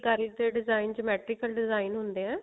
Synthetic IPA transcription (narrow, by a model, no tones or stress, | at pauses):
kaɾik̚d̪eɖɪzaːɪnd͡ʒəmɛːʈɾɪkəlɖɪzaːɪnɦʊnd̪eːɛ̃ː